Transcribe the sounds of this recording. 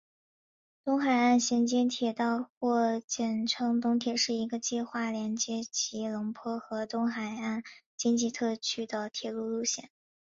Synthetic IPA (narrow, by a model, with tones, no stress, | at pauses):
t̪ʊ˥ŋxa˨˩ɪa˥˩nɕjɛ˧˥nt͡ɕi˥nt̪ʰjɛ˨˩t̪ɑ˥˧ʊxwɔ˥˧t͡ɕjɛ˥˩nʈ͡ʂʰɤ˥ŋt̪ʊ˧˥ŋt̪ʰjɛ˨˩ʂɻ̩˥˩i˧˥ɡə˧t͡ɕi˥˧xwa˥˩ljɛ˧˥nt͡ɕjɛ˧˥t͡ɕʰi˧˥lʊ˧˥ŋpʰwɔ˥xɤ˧˥t̪ʊ˥ŋxa˨˩ɪa˥˩n | t͡ɕi˥nt͡ɕi˥˧t̪ʰɤ˥˩t͡ɕʰy˥d̪ə˨t̪ʰjɛ˨˩lu˥˧lu˥˧ɕjɛ̰˥˩˦n